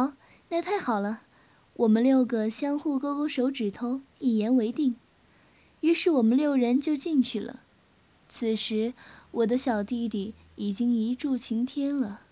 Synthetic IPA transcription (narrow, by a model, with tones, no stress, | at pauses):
xɑ˧˥ʊ | na˥˧t̪ʰa˥˩ɪxɑ˨˩ʊlə˦ | wʔɔ˨˩mə˦nljo˥˩ʊɡə˨ɕjɑ˥ŋxu˥˩ko˥ʊko˥˩ʊʂo˧˥ʊʈ͡ʂɻ̩˨˩t̪ʰo˥ʊi˥˩jɛ˧˥nwe˧˥ɪt̪i˥˩ŋ | y˧˥ʂɻ̩˥˩wɔ˨˩mə˦nljo˥˩ʊɻə˧˥nt͡ɕjo˥˧ʊt͡ɕi˥˧ŋt͡ɕʰy˥˩lə̰˩ | t͡s̩ʰ˨˩ʂɻ̩˧˥wɔ˨˩d̪ə˦ɕjɑ˨˩ʊt̪i˥˧t̪i˨˩ | i˨˩t͡ɕi˥ŋi˧˥ʈ͡ʂu˥˩t͡ɕʰi˧˥ŋt̪ʰjɛ˥nlə˨